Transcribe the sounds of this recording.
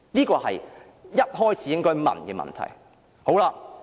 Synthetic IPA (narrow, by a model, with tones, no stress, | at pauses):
niː˥kɔː˧hɐ̰˨j | jɐ˥t̚ɦɔː˥jt͡sʰiː˨˧jɪ˥ŋkɔː˥jmɐ̰˨˩nkɛː˧mɐ̰˨˩nt̪ʰɐ̰˨˩j | ho˨˥wlaː˧